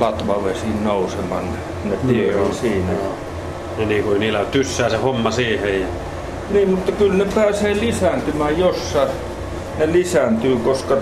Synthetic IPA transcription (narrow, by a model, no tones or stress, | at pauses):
lɑt̪ʋɑʋesinnousemɑn | nep̪ieolsiːnæ | neniːŋkoeiniːlːæt̪ysːæːsehomːɑsiːhejjɑ | niːmmut̪ːɑkylnepæːseːlisænt̪ymæːjosːɑ | nelisænt̪yːkoskɑ